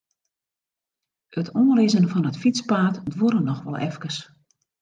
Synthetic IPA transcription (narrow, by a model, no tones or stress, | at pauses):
ətʰoːrɪzənfɔnətfit͡spaːtdʋoɾənɔxʋɔ̰lˠɛ̰fkərs